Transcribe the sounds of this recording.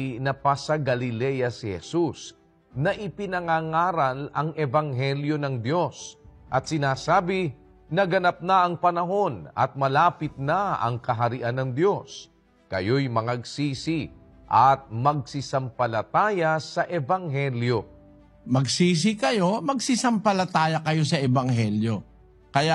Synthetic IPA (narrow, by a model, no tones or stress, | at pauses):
nɐpasɐɡɐlɪlɛjɐsɪhɛ̰sus | nɐʔɪpɪnɐŋaŋaːɾɐlɐŋʔɛvɐŋɦɛljo̞nɐŋd̪jo̞sʔɐt̪sɪnaːsaːbɪ | nɐɡɐnap̚nɐɐŋpɐnɐɦo̞nɐ̰t̪̚mɐlaːpɪt̪̚naɐ̰ŋkɐɦɐɾɪʔanɐŋd̪jo̞s | kɐ̰jo̞jmɐŋɐɡsiːsi | ʔɐt̪̚mɐɡ̚sɪsɐmpɐlɐt̪aːjɐsɐʔɛvɐŋɦɛljo̞ | mɐɡsiːs̬ikɐjo̞mɐɡsɪsɐmpɐlɐt̪aːjɐkɐjo̞s̬ɐɛbɐŋɦɛljo | kɐja